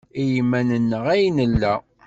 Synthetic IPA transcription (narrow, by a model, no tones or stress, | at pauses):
ijimːænənːəʁæjnəlːæ